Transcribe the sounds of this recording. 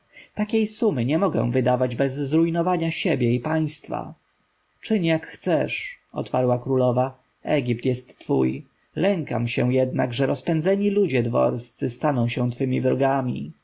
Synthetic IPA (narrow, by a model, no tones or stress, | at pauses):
t̪akʲejsumɘɲɛmɔɡɛ̰̃w̃vɘd̪avad͡ʑbɛzːɾujnɔvaɲaɕebʲjɛipaj̃st̪fa̰ | t͡ʂɘɲjakxt̪sɛʂ | ɔ̰t̪paɾwakɾulɔva | ɛɡʲip̚t̪jɛst̪ːfṵj | lɛŋka̰mɕɛw̃jɛd̪naɡʐɛɾʔɔspɛnd̪zɛɲilud͡ʑɛd̪vɔ̰ɾst̪sɘst̪anɔ̃w̃ɕɛw̃t̪fɘmʲivɾɔɡamʲḭ